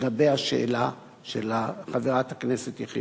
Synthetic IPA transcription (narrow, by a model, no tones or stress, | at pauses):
ɡabejhaʃḛʔːla | ʃelaχaveʁathakneset̪jaχḭ